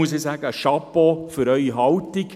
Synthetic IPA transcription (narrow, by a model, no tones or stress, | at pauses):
uəsesæːɡəʃɑpofyɾœʏiɦɑltɪk